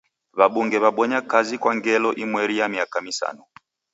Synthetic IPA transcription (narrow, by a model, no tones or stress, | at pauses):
βaɓuŋɡɛβaɓɔɲakazikwaŋɡɛlɔʔimwɛɾijamiakamisa̰nɔ